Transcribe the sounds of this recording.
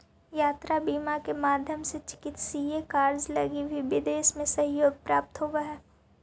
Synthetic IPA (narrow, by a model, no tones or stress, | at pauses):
jaːt̪ɾabiːmakemaːd̪ʱjəmset͡ʃɪ̥kɪt̪sijekaːɾd͡ʒlɐ̰ɡibʱibɪd̪eːʃmẽsɐ̃ɦjoːɡ̚pɾaːp̚t̪ɦoːʋaɦɛː